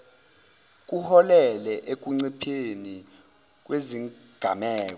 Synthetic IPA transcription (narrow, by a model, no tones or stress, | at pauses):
k̬ʼuhɔlɛlɛʔek̬uŋ͡ǀipʰeni | k̬weziŋɡ̥ʱamɛːk̬ɔ